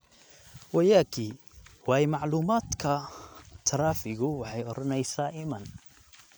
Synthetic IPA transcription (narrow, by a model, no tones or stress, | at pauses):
wajaːkʰi | waːjmɑʕluːmaːt̪kʰɐt̪ʰɐɾˤaːfɪɣʊwɑħɑjʔɔɾɔnɛjsaːʔɪmɐn